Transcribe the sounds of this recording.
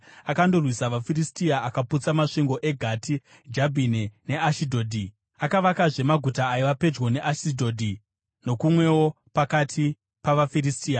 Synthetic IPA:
akando̞rwisaʋafiristiaakaput͡samaʂiŋɡo̞ʔe̞ɡʱatʰi | d͡ʒabʱinene̞aʃidʱoːdʱi | akaʋakaʐe̞maɡʱutaːjiʋape̞d͡ʒwo̞ne̞ʔaʃidʱo̞ːdʱi | no̞kumwe̞wo̞ | pakatʰi | paʋafiɾistiːa

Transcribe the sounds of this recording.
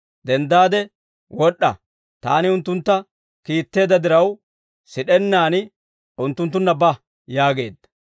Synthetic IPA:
d̪ɛnd̪aːd̪ɛ | wɔɗːɐ̰ | t̪a̰ːnɪʊnt̪ːʊnt̪ːɐ | kiːt̪ːe̞ːd̪ɐd̪ɪɾɐw | sɪɗɛnːaːnɪ | ʊnt̪ːʊnt̪ːʊnːɐbɐ | jaːɡe̞ːd̪ːɐ

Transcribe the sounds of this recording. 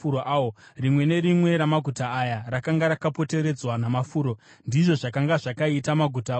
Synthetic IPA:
uoʔaorimwe̞ne̞ɾimwe̞ɾamaɡʱutaːjarakaŋɡaɾakapo̞te̞ɾe̞d͡zwanamafuːɾo̞ | ndiʐo̞ʐakaŋɡaʐakaitamaɡʱuta

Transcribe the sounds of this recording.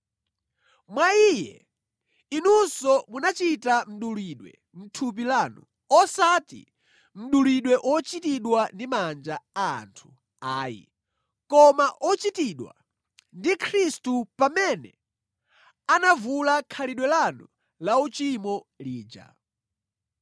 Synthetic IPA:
mwaiːjɛ̰ | inunsɔmunat͡ʃitam̩ɗuliɗwɛ̰ | m̩tʰup̬ilaːnṵ | ɔsatḭ | m̩ɗuliɗwɛʔwʔɔt͡ʃitiɗwandimand͡ʒa̰ːntʰu̥ | aːjḭ | kɔmaʔɔt͡ʃitiɗwa̰ | ndikʰɾistupamɛnɛ̰ | anavulakʰaliɗwɛlanu | laut͡ʃimɔ | liːd͡ʒa̰

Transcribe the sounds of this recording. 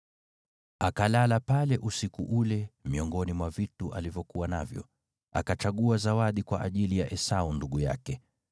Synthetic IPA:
akalalapalɛʔusikuʔulɛmiɔŋɡɔnimwavituʔalivjɔkuwana̰vjɔ̰ | a̰kat͡ʃaɠuazawaɗikwa̰ʔaʄilijaʔɛsaunduɠuja̰kɛ

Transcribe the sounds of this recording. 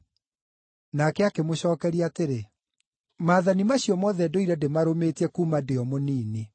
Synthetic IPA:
nakɛakemoɕɔːkɛɾiateɾe | maːðanimaɕjɔmɔːðɛdoiɾɛdemaɾomeːtɛkuːmadeɔmoniːne

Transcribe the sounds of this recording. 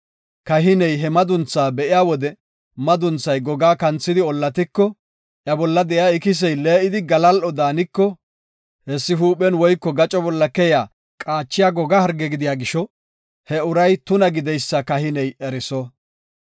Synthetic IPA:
kɐɦɪnɛjɦɛmɐd̪ʊnt͡sːaːbɛʔɪjaːwɔd̪ɛ | mɐd̪ʊnt͡sːɐjɡɔɡaːkɐnt͡sːɪd̪ɪɔlːɐt̪ɪkːɔ | ʔjɐbɔlːɐd̪ɛjaːɪkɪs̬ɛjle̞ːʔɪd̪ɪɡɐlɐlʔɔd̪aːnɪkːɔ | hɛsːɪɦuːpɛnwɔjkːɔɡɐt͡ʃʼɔbɔlːɐkɛjaː | kʼaːt͡ʃːɪjaːɡɔɡahɐɾɡɛɡɪd̪ɪjaːɡɪʃɔ | hɛʊɾɐjt̪ʊnɐɡɪd̪ɛjsːɐkɐhɪnɛjɛɾɪsɔ

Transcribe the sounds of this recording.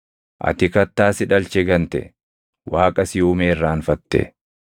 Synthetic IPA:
ʔɐ̰t̪ɪkɐt̪ːaːsɪᶑɐlt͡ʃɛɡɐnt̪ɛ̰ | waːkʼɐsɪʊmeːrːaːnfɐt̪ːɛ̰

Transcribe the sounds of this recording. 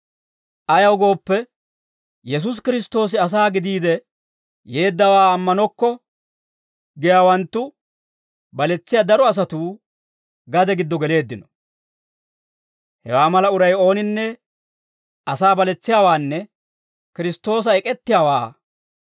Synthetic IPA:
ʔɐjɐwɡo̞ːpːɛ | jɛs̬us̬kɪɾɪst̪o̞ːs̬ɪɐs̬aːɡɪd̪iːd̪ɛ | je̞ːd̪ːɐwaːɐmːɐnɔkːɔ | ɡɪjaːwɐnt̪ːʊ | bɐlɛt͡sːɪjad̪ɐɾɔɐs̬ɐt̪uː | ɡɐd̪ɛɡɪd̪ːɔɡɛle̞ːd̪ːɪnɔ | hɛ̰waːmɐlɐʊɾɐjo̞ːnɪnːɛ | ʔɐsaːbɐlɛt͡sːɪjaːwaːnːɛ | kɪɾɪst̪o̞ːs̬ɐɛkʼɛt̪ːɪjaːwa̰ː

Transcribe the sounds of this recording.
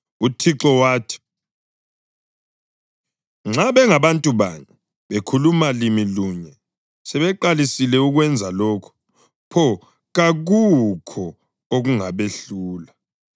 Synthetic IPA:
utʰiǁɔwaːtʰi̥ | ŋ͡ǁaβɛŋaβantʼuβa̰ɲɛ | βekʰulumalimiluɲɛ | sɛβɛǃalisilɛuɣwɛnd͡zʱalɔːkʰu̥ | pʰɔ | ɣaɣukʰɔ | oɣuŋaβeɬuːla

